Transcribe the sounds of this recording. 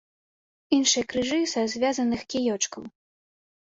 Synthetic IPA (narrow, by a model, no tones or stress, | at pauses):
inʂɨjɐkɾɨʐɨsɐzʲvʲazɐnɨxkʲijɔt͡ʂkɐw